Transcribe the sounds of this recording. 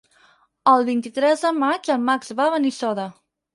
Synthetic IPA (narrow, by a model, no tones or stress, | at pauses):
əlˠβint̪it̪ɾɛzðəmat͡ʃəlˠmakzβaβənisɔðə